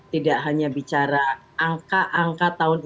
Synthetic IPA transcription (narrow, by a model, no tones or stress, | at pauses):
t̪idaʔɦaɲabit͡ʃaɾaː | ŋkaʔaŋkat̪aʊn